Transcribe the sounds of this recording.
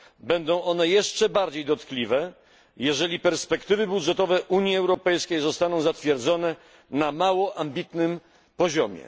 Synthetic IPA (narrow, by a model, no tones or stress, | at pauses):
bɛnd̪ɔ̃w̃ɔnɛjɛʂt͡ʂɛbaɾd͡ʑejd̪ɔt̪klʲivɛ | jɛʐɛlʲipɛɾspɛkt̪ɘvɘbud̪ʐɛt̪ɔvɛʔuɲjiɛwɾɔpɛjskʲejzɔst̪anɔ̃w̃zat̪fʲjɛɾd̪zɔnɛ | namawɔʔambʲit̪nɘm | pɔʑɔmʲjɛ̰